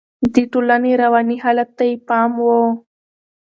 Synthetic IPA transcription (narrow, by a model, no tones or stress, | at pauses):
d̪iʈolaneɾawɑniɦɑlat̪ːajipɑmwo